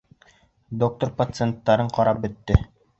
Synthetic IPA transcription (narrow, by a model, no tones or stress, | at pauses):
d̪ok̚t̪orpɐt̪sent̪ːɑɾɤɴqɒɾɑp̚bɵ̆t̪ːɘ